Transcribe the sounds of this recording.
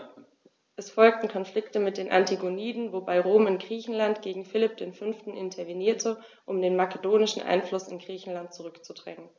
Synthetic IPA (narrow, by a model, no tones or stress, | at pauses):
ʔɛsfɔlk̚tn̩kʰɔnflɪktəmɪt̚d̥eːnʔa̰ntʰiɡoniːdn̩vobaɪʁoːmɪnɡ̥ʁiːçn̩lantɡ̥eːɡŋ̩fɪlɪp̚d̥eːnfʏnftn̩ʔɪntʰɐveniːɐtʰə | ʔʊmdeːnmakedoːnɪʃn̩ʔa̰ɪnflʊsɪnɡʁiːçn̩lant̚t͡suʁʏkt͡sudʁɛŋən